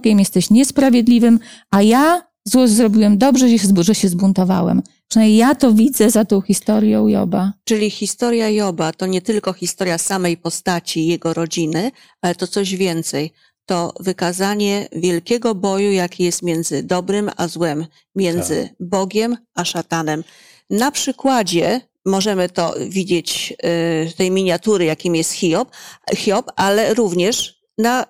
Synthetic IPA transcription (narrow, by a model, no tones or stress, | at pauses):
ɡʲɛmjɛst̪ɛɕɲɛspɾavʲjɛd̪lʲivɘmaja | zwɔzɾɔbʲiwɛmd̪ɔbʐɛɕɛzbuʐɛɕɛzbunt̪ɔva̰wɛ̰m | pʂɨnajɲejat̪ɔvʲid̪zɛzat̪ɔ̃w̃xʲist̪ɔɾjɔ̃w̃jɔ̰bat͡ʂɘlʲixʲist̪ɔɾjajɔbat̪ɔɲɛt̪ɘlkɔxʲist̪ɔɾjasamɛjpɔst̪at͡ɕijɛɡɔɾɔd͡ʑinɘ | alɛt̪ɔt̪sɔʑvʲjɛnt̪sɛj | t̪ɔvɘkazaɲɛvʲjɛlkʲɛɡɔbɔjujakʲʰijɛst̪mʲjɛnd̪zɘd̪ɔbɾɘma̰zwɛmːʲ | jɛnd̪zɘ̰bɔɡʲɛmʔaʂat̪anɛm | napʂɘkwad͡ʑɛ | mɔʐɛmɘt̪ɔ̰vʲid͡ʑet͡ɕ | t̪ɛjmʲiɲat̪uɾɘjakʲimjɛst̪xʲiɔpxʲjɔpalɛɾuvɲɛʂ | na